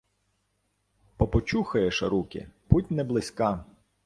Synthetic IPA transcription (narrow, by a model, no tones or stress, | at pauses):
pɔpɔt͡ʃuxɐjɛʃɐɾukʲɪ̰putʲnɛblˠɪsʲkɑ